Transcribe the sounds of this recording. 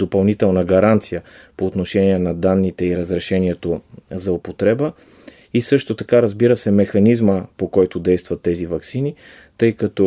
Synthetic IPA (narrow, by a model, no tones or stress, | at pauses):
d̪opɐlˠnit̪ɛlˠnəɡɐɾant̪sijəpoːt̪noʃɛniɛnɐd̪anːit̪ɛiɾəzɾɛʃɛniɛt̪ozɐopot̪ɾɛbə | isɤʃt̪ot̪ɐkaɾəzbiɾəsɛmɛxɐnizməpokɔjt̪od̪ɛjst̪vɐt̪ːɛzivɐksini | t̪ɤjkɐt̪ɔ